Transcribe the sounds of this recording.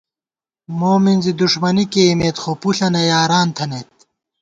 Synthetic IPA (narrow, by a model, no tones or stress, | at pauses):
moːminzid̪uʂmɐnikeːmeːt̪χopuɬɐnɐjaːɾaːnt̪ʰɐnet̪̚